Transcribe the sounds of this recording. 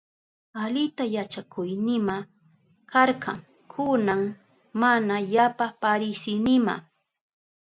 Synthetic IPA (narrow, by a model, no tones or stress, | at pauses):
alɪt̪ajat͡ʃakʊjnɪma | kɑɾqɑ̰ŋ | kʰʊnaŋ | manajapapaɾɪsɪnɪma̰